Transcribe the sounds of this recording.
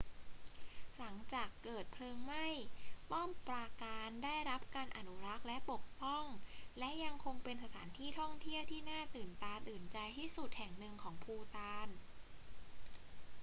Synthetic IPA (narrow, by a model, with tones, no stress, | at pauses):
la˩˦ŋt͡ɕaː˨˩kːɤː˨˩t̪̚pʰlɤː˧ŋma˥˩jpɔː˥˩mpɾaː˧kaː˧ndaː˥˩jɾa˦˥p̚kaː˧nʔa˨˩nu˦˥ɾa˦˥k̚lɛ˦˥ʔpo˨˩k̚pɔ˥˩ŋlɛ˦˥ʔja˧ŋkʰo˧ŋpe˧nsa˧t̪ʰa̰ː˩˦nt̪ʰiː˥˩t̪ʰɔ˥˩ŋt̪ʰi˥˩əwt̪ʰiː˥˩naː˥˩t̪ɯː˨˩nt̪aː˧nt̪ɯː˨˩nt͡ɕa˧jt̪ʰiː˥˩su˨˩t̪̚hɛ˨˩ŋnɯ˧ŋkʰɔː˩˦ŋpʰuː˧t̪aː˧n